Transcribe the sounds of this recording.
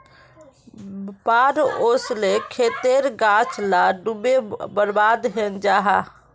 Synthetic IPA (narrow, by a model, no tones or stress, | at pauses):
paɾoslekʰet̪eɾɡãt͡ʃlaɖubebəɾbaːd̪ɦend͡ʒaːɦa